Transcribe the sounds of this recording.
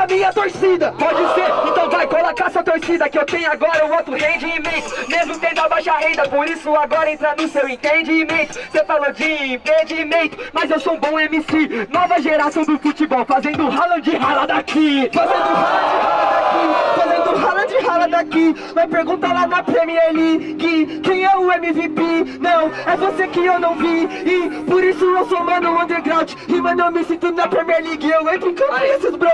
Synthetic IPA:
amĩɲɐt̪oɾsid̪ɐpɔd͡ʒɪseɾẽt̪ɐ̃w̃vajɡolɐkaɛsɐt̪oɾsid̪ɐkɪewt̪ẽɲʊaɡɔɾɐũowt̪ɾʊhẽjd͡ʒɪːmẽjt̪ʊmezmʊt̪ẽd̪abajʃaɦẽnd̪ɐpoɾisʊaɡɔɾɐẽnt̪ɾanʊsewẽt̪ẽd͡ʒiːmẽt̪ʊ̥sefalod͡ʒĩt̪ẽd͡ʒɪːmẽt̪ʊmɐzewsoũbõemisinɐ̃vajʒeɾaɾt̪od̪ʊfut͡ʃibɔwfazẽnd̪ʊʊɦalɐ̃d͡ʒɪɦalɐd̪akifazẽnd̪ʊhalɐ̃d͡ʒɪɦalad̪akifazẽnd̪ʊʊɦalɐ̃d͡ʒɪɦalɐd̪aki | majpeɾɡũnt̪alanɐpɾẽmiɛɾli | ɡɪkẽj̃ɛʊẽmivipenɐ̃w̃ɛvosekɪewnɐ̃w̃viɪpoɾisʊewsomɐ̃nd̪ɐ̃ɐ̃nd̪eɾɡɾawd͡ʒɪhɪmɐ̃d̪õmisĩt̪ũd̪ʊnɐpɾẽmiɛɾliɡɪewẽt̪ɾĩkɐ̃esɪzbɾo

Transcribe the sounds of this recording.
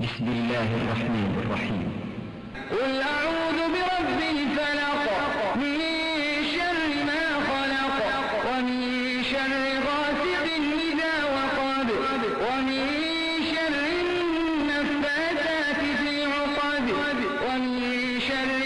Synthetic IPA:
bɪsmɪlːaːhrˤːɑħmaːnʔɑ̰rˤːɑ̰ħḭːm | walʔaʕuːðʊbɪɾˤɑbːɪhfalɑqmɪnʃarˤːɪmaːxɑlɑq | wamɪn | ʃɑrˤʕɪɣaːsɪqɪnmɪðaːwɑqɑːd̪ | wamɪn | ʃarːɪː | afːaːsaːt̪ɪfiːʕʊsˤɑːd̪ɪ | d | wamɪn | ʃarˤː

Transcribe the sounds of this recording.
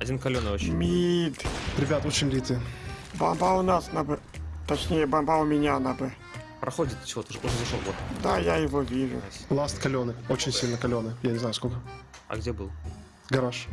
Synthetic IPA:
ɐdʲinkɐlʲonɨomʲid̪ɾʲɪbʲat̪ot͡ɕɪnʲlʲit̪ɨbɐmbaʊnasnabɨ | t̪ɐt͡ɕnʲejəbɐmbaʊmʲɪnʲanabɨ | pɾɐxodʲɪt̪t͡ɕɪvot̪əʐʊʐɛzɐʂlo̰ɡot̪d̪ajajɪvovʲiʐʊ̰plˠast̪kɐlʲonɨot͡ɕɪnʲsʲilʲnəkɐlʲonɨjanʲɪznajʊskolʲkəɐ̰ɡdʲebɨlˠ | ɡɐɾaʂ

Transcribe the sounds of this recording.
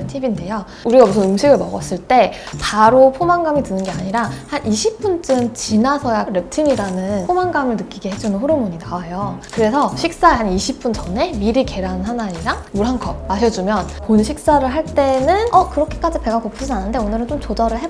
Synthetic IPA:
ɯntʰibinde̞jo | uɾiɡabusʰʌnɯmɕʰiɡɯɭmʌɡʌs͈ɯɭt͈e̞ | paɾopʰomaŋɡamitɯnɯnɡe̞aɲiɾahanʔiɕʰip͈unt͡ɕ͈ɯnt͡ɕinasʰʌjaɾe̞p̚tʰiɲiɾanɯnpʰomaŋɡamɯɭnɯk͈iɡe̞ɦed͡ʑunɯnɸoɾɯmuɲinawajokɯɾe̞sʰʌɕʰik̚s͈aeɦaniɕʰip͈unt͡ɕʌne̞miɾike̞ɾannɦanaiɾaŋmuɾɦankʰʌp̚maɕʰʌd͡ʑumjʌnponɕʰik̚s͈aɾɯɭɦaɭt͈e̞nɯnʔʌkɯɾʌkʰe̞̥k͈ad͡ʑipe̞ɡakopʰud͡ʑinanɯnde̞onɯɾɯnt͡ɕomt͡ɕod͡ʑʌɾɯɭɦe̞

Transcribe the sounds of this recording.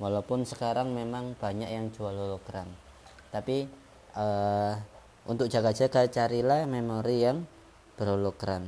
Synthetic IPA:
walawpʊnsəkaɾaŋmemaŋb̥a̤ɲaʔjaŋ̥d͡ʒ̥ualolokɾan | t̪api | ə | ʔṵnt̪ʊk̚dʒ̥a̤ɡad̥d͡ʒ̥a̤kat͡ʃaɾilahmemoɾijaŋ | b̥əɾolokɾan

